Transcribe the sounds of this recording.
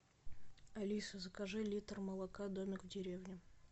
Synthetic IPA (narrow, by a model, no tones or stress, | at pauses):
ɐlʲisəzəkɐʐɨlʲit̪rməlˠɐkad̪o̞mʲɪkʊdʲɪɾʲevnʲɪ